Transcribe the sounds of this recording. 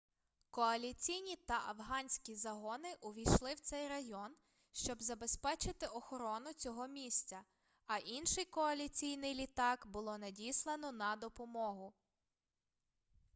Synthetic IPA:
kɔɐlʲit͡sʲijnʲit̪ɐʔɐwɦɑnʲsʲkʲizɐɦɔnɪʔʊʋʲijʃlˠɪwt̪sɛjɾɐjɔn | ʃt͡ʃɔbzɐbe̞spɛt͡ʃɪt̪ɪʔɔxɔɾɔnʊt͡sʲɔɦɔmʲisʲt͡sʲɐ | ɐʔinʃɪjkɔɐlʲit͡sʲijnɪjlʲit̪ɑkbʊlˠɔnɐdʲislˠenɔnɐd̪ɔpɔmɔɦʊ

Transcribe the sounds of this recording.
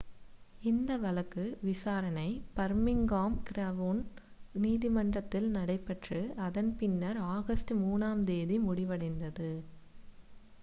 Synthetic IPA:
ɪnd̪ɐʋɐlɐkːɯʋɪsaːɾɐnɐɪpɐɾmɪŋɡaːmkɪɾɐʋoːn | niːðɪmɐɳdrɐt̪ːɪlnɐɽɐɪpːɐʈrɯɐðɐnpɪnːɐɾaːɣɐsʈɯmuːnaːmd̪eːðimʊɽɪʋɐɽɐɪnd̪ɐðɯ

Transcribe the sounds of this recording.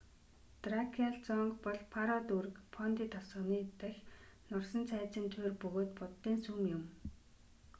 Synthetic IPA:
t̪rakʰiaɮt͡sɔŋkpɔɮpʰaɾɔt̪urɘ̆kpʰɔnt̪iːt̪ʰɔsɔ̆ːniːt̪æxʲnɔrsɞ̆nt͡sʰæːt͡ɕɪ̆nt̪ʰweːrpɵɣoːt̪pʊt̪ːiːnsumjʊm

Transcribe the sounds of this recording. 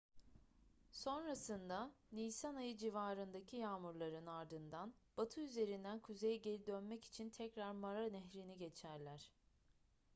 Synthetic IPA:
so̞nɾasɯnd̪aniːsanajɯd͡ʒivaːɾɯnd̪acʰijaːmuɾlˠaɾɯnaɾd̪ɯnd̪anb̥at̪ʰɯyze̞ɾind̪ænkʰuze̞jɛɟe̞lʲid̪ønmɛci̥t͡ʃʰint̪ʰɛcɾaɾmaɾanɛɦɾiniɟe̞t͡ʃʰæɾlʲæɾ̥

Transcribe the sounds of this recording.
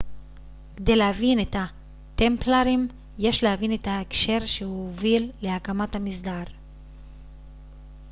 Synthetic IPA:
ked̪e̞jlehavinet̪a | t̪emplaʁim | je̞ʃlehavinet̪aekʃe̞ʁʃeuovilːe̞akamat̪hamisd̪aːʁ

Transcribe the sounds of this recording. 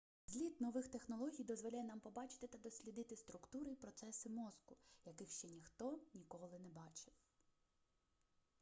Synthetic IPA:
zʲlʲid̪nɔʋɪxt̪exnɔlˠɔɦʲijd̪ɔzʋɔlʲajɛnɑmpɔbɑt͡ʃɪ̥t̪ɪt̪ɐd̪ɔsʲlʲid̪ɪt̪ɪst̪ɾʊkt̪uɾɪjpɾɔt̪sɛsɪmɔzkʊjɐkɪxʃt͡ʃɛnʲixt̪ɔnʲikɔlˠɪnɛbɑt͡ʃɪw

